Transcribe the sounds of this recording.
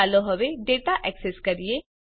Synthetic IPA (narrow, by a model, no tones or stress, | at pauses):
aːloɦɐʋeɖeːʈaʔɛːkseskɐɾie